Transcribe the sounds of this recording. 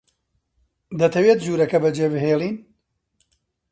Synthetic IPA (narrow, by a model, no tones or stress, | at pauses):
d̪ɐt̪ʰɐweːt̪̚ʒuːɾɐkɐbɐd͡ʒeːbɨɦeːlˠiːn